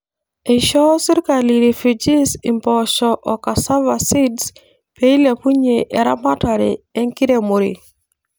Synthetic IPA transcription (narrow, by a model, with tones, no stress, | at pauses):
e˨ʃɔ˦si˦ɾka˨li˨ɾe˨fud͡ʒi˦si˨mbɔʃɔʔɔ˨ka˨sa˦va˨si˦ds | pe˦i˦le˨pu˦ɲe˨ʔe˨ɾa˦ma˦ta˨ɾḛ˨e˦ŋki˦ɾe˦mo˨ɾḭ˨